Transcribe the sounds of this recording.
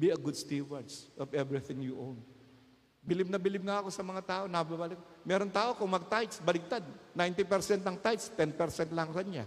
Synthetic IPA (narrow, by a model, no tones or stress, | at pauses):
biɐɡʊd̪st̪iwɛɹsʔɔvɛvɹɪθɪ̃ŋjuʔõwn | bɪlɪb̚nɐbɪlɪb̚ŋaɐko̞sɐmɐŋat̪aːʔo̞nɐbabaːlɪkmɛɾont̪aːʔo̞kʊŋmɐɡ̚t̪ajt̪sbɐlɪk̚t̪ad̪̚najnt̪ɪpɛɾsɛnt̪ɐŋt̪ajt̪st̪ɛnpɛɾsɛnt̪lɐŋkɐnɲa